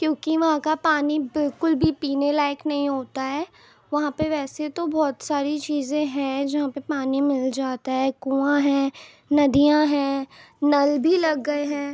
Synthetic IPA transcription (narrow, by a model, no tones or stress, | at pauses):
kjõːkiʋɐɦãkapaːnibɪlkʊlbʱipiːnelaːɪknɐɦĩɦoːt̪aɦɛː | ʋɐɦãpeʋɛːset̪obɔːt̪saːɾit͡ʃiːzẽɦɛ̃d͡ʒɐɦãpepaːnimɪld͡ʒaːt̪aɦɛːkũːãɦɛ̃ː | nɐd̪ijãɦɛ̃ː | nɐlbʱilɐɡːɐeɦɛ̃ː